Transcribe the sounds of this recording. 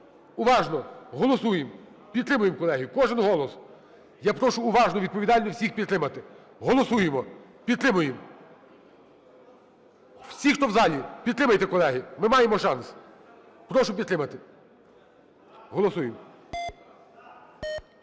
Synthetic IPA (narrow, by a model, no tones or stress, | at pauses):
ʊʋɑʒnɔɦɔlˠɔsujem | pʲid̪t̪ɾɪmʊjemkɔlˠɛɦʲijʊkɔʒɪnɦɔlˠɔs | japɾɔʃʊːʋɑʒnɔʋʲid̪̚pɔʋʲid̪ɑlʲnɔwsʲixpʲid̪t̪ɾɪmɐt̪ɪ | ɦɔlˠɔsujemɔ | pʲid̪t̪ɾɪmʊjem | wsʲixt̪ɔwzɑlʲipʲid̪t̪ɾɪmɐjt̪ɛkɔlˠɛɦimɪmɑjemɔʃɑns | pɾɔʃʊpʲid̪t̪ɾɪmɐt̪ɪ | ɦɔlˠɔsujem